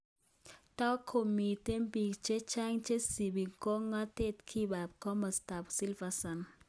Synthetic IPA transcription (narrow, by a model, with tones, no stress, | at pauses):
tɔ˦kʰːo˨mi˨te˦mbi˨kt͡ʃe˦t͡ʃa˦ŋt͡ʃe˦si˨bi˨ŋko˦ŋːa˦te˦tkʰi˦ba˨p̚kɔ˦ma˨sta˨psi˦lva˦sa˨n